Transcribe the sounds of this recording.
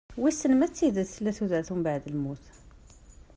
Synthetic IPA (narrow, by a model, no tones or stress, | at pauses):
wisənmæt͡s̪ːid̪əd̪θlæθud̪əʕt̪hʊmbaʕd̪əlmut̪